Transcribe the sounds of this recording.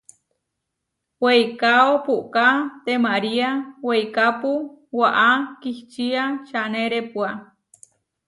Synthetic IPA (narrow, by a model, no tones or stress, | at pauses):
wejkaopuʔkat̪emaɾiawejkapuwaʔakiht͡ʃiaʃaneɾepua